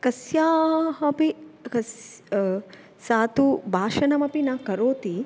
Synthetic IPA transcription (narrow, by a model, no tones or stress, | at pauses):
kɐsjaːɦɐpikɐs | saːt̪ubʱaːʃɐnɐmɐpinɐkɐɾoːt̪i